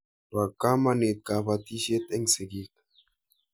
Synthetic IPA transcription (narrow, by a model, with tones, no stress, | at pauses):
ba˨ka˦ma˦ne˨t̪̚ka˨pa˨t̪i˦ʃe˦t̪e˦ŋse˨ɡi˦k